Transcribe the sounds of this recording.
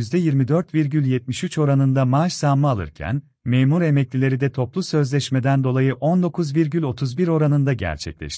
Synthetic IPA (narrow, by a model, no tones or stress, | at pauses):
jyzd̪ɛjiɾmid̪øɾt̪viɾɟylʲjɛt̪̚miʃyt͡ʃo̞ɾanɯnd̪amaːʃsamːaalˠɯ̰ɾcʰæ̰n | meːmuɾe̞mɛclʲilʲe̞ɾid̪ɛt̪ʰo̞plˠusø̞zlʲɛʃme̞d̪ænd̪o̞lˠajɯʔo̞nd̪o̞kʰuzviɾɟylʲo̞t̪ʰuzbiɾo̞ɾanɯnd̪aɟæ̰ɾt͡ʃʰɛ̰clʲɛ̰ʃt̪ɪ̥